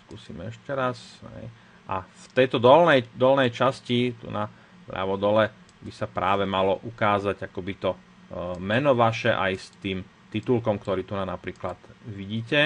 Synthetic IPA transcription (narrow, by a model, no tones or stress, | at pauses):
skusiːmɛɛʃcɛɾasɦɛ̰j | ʔaft̪ɛjt̪ɔd̪ɔlnɛjd̪ɔlnɛjt͡ʃascit̪ṵna | pɾa̰ʋɔd̪ɔlɛ | bisapɾʔa̰ːʋɛmalɔʔukaːzaɟakɔbit̪ɔ | mɛnɔʋaʃɛʔa̰jst̪iːm | t̪it̪ulkɔmkt̪ɔɾiːt̪unanapɾiːklad̪ʋiɟiːcɛ